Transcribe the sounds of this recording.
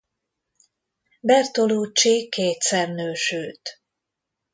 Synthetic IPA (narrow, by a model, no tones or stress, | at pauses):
bɛrt̪oluːt͡ʃːikeːt̪sɛrnøːʃøːt̪